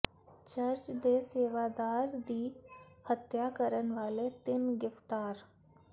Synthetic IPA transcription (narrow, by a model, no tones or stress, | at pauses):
t͡ʃɐɾt͡ʃd̪eseːʋaːd̪aːɾd̪iːhət̪jakəɾənʋaːlet̪ɪnɡɪft̪aːɾ